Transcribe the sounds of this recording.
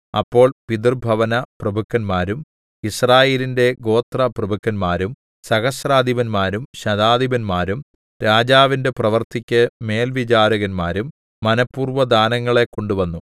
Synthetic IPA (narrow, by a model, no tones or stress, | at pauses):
ɐ̰pːo̞ːɭpid̪urbʱɐʋɐnɐprɐbʱukːɐnmaːɾum | israːjeːlinde̞ɡo̞ːt̪rɐprɐbʱukːɐnmaːɾum | sɐɣɐsɾaːd̪ʱiʋɐnmaːɾumɕɐd̪aːd̪ʱibɐnmaːɾum | ɾaːd͡ʑaːʋinde̞prɐʋɐrt̪ikʲːɐme̞ːlʋit͡ɕaːɾɐɣɐnmaːɾumː | ɐnɐpːuːrʋɐd̪aːnɐŋːɐɭe̞kːo̞ɳɖuʋɐnːu